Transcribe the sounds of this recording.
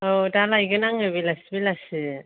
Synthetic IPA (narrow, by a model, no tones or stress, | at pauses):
odalajɡɯnaŋɯbilasibilasi